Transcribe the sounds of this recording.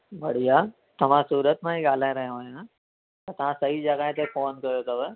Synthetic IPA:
bʱɐɽ̤ija | t̪ɐʋ̤ãsuːɾət̪mãɦiɡaːl̤ãɾɐɦjõɦojã | t̪ɐt̪ɐʋ̤ãsɐɦid͡ʑəɡaẽt̪efoːnkɐɾjot̪ɐʋə

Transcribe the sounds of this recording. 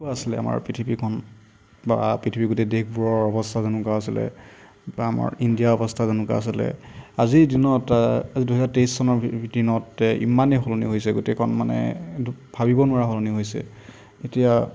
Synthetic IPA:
aasilɛ̰a̰ma̰ɹpitʰipikʰɔn | bapitʰipiɡotɛdek̚ʰbuɹɔɹɔbɔstʰazenukaasilɛ̰ | ama̰ɹindijaɔbɔstʰazenʊka̰ːsilɛ̰aziɹdinɔtaziduɦɛzatejsːɔnɔɹdinɔtḭmaneɦolonḭɦojsɛɡotɛkʰɔnmanɛ̰b̥ʱabibɔnʊaɹaɦoloniɦojsɛ̰ | etija

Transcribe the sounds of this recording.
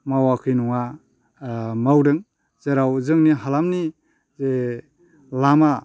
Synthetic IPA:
mawakʰɯjnuŋa | mawɾɯŋ | zeɾawzɯŋniɦalamni | ze | lama

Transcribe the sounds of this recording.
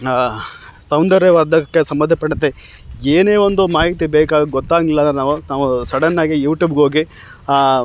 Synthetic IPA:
sɐwnd̪ɐɾjɐʋɐɾd̪ɐkːesɐmbɐd̪ʱɐpɐɽɐt̪ːe | eːne̞ːʋond̪umaːɦit̪ibɛːkaːd̪ɡɔt̪ːaːɡilːɐnaːʋunaːʋusɐɽɐnːaːɡijuːʈjuːbɡo̞ːɡi

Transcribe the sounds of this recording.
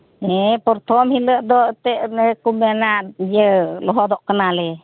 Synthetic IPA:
ɛpɔɾt̪ʰɔmhiləʔd̪ɔʔt̪ɛʔɛkumanaʔd͡ʒɛlɔɦɔd̪ɔʔkənalɛ

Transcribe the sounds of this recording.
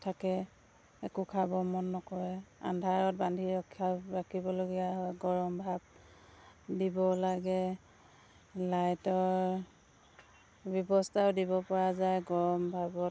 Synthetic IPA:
tʰakɛ | ɛkukʰabɔmɔnːɔkɔɹɛa̰ndʱaɹɔt̚bandʱiɹɔkʰːjabakibɔloɡijaɦɔjɡɔɹɔmbʱab̚ | dibɔlaɡɛ | lajtɔɹ | bjɔbɔstʰawdibɔpɔɹazajɡɔɹɔmbʱabɔt̚

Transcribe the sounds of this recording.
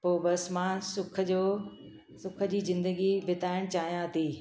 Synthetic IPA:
poːbɐsmãːsʊkʰəd͡ʑoː | sʊkʰə̆d͡ʑiːzɪ̃nd̪əɡibɪt̪aːɪɽ̃t͡ɕaːɦijãt̪ʰiː

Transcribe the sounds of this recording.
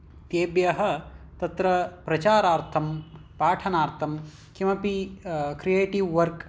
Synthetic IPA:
t̪eːbjɐɦɐ̆t̪ɐt̪ɾɐpɾɐt͡ʃaːɾaːɾt̪ʰɐmpaːʈʰɐnaːɾt̪ʰɐm | kimɐpikɾijeːʈiʋːɐɾk

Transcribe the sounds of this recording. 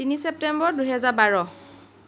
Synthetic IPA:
tinisep̚tɛmbɔɹduɦɛzaɹbaɹɔ

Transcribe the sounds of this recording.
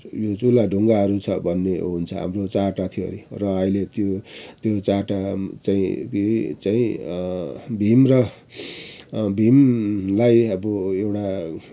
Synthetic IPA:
jot͡sulaɖʱuŋɡaɦʌɾut͡sʰʌbʱʌnːeɦunt͡sʰʌ̰ɦa̰mrot͡saʈat̪ʰio̰ɾirʌʌilet̪jot̪jot͡saʈat͡saĩkit͡saĩ | bʱimrʌ | bʱimlajʌbʌewʈa

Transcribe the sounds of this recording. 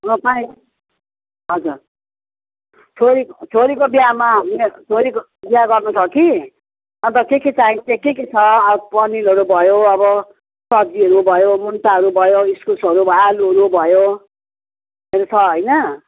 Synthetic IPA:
ʌ̃paĩ | ɦʌd͡zur | t͡sʰoɾikot͡sʰoɾikobiamamet͡sʰoɾiko | biaɡʌrnosʰʌki | ʌnt̪ʌkeket͡saĩkekeket͡sʰʌpʌnilɦʌɾubʱʌjoʌbʌ | sʌd͡ziɦʌɾubʱʌjomunʈaɦʌɾubʱʌjoiskulsʌɾubʱʌjaluɾubʱʌjo | meɾot͡sʰʌɦʌjnʌ

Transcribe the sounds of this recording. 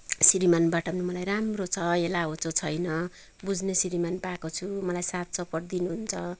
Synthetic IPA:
siɾimanbaʈʌbʌnimʌlajramrot͡sʰʌelaɦot͡sʰot͡sʰʌjnʌ | bud͡znesiɾimanpakot͡sʰumʌlajsat̪̚t͡sʌpʌʈ̚d̪inuɦunt͡sʰʌ

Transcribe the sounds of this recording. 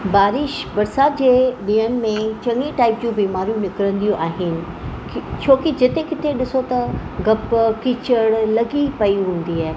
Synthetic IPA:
baːɾɪʃbɐɾsaːt̪̚d͡ʑeːɗɪənɪ̆mẽt͡ɕɐ̃ŋiʈaːɪp̚d͡ʑũːbiːmaːɾijũnɪkɾə̃nd̪ijũʔaːɦɪnɪ̆ | t͡ɕʰoːkid͡ʑɪt̪ekɪt̪ʰeɗɪsot̪ɐɡɐpkit͡ɕəɽlɐɡipɐiɦũːn̆d̪iaːɦe

